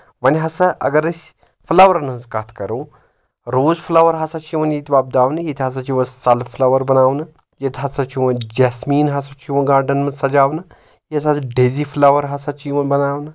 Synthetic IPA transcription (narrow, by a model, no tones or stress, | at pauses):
ʋɐnʲɦɐsɐʔɐ̰ɡɐɾɐsʲ | fʰlɐʋɐɾɐnɐnzkat̪ʰkɐɾuː | ɾoːzpʰlɐʋɐɾɦɐsɐt͡ʃʰiʋɐnjit̪ʰʲiʋaːb̚d̪aːʋnɨjit̪ʲɦɐs̬ɐt͡ʃiʋɐnsɐlpʰlɐʋɐɾbɐnaːʋnɨ | jet̪ʲʰɦɐsɐt͡ʃʰiʋɐnd͡ʒeːsmiːnɦɐsɐt͡ʃʰiʋɐɡaːɾɖɐnmɐnʲsɐd͡ʒaːʋnɨ | jet̪ʲɦɐsɖezifʰlɐʋɐɾɦɐsɐt͡ʃʰiʋɐnbɐnaːʋnɨ